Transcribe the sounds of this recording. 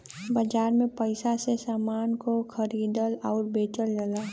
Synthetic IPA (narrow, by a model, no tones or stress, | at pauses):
bəd͡ʒaːɾmẽpəɪsasesaːmaːnkokʰəɾiːd̪əlɔːɾbeːt͡ʃəld͡ʒəlaː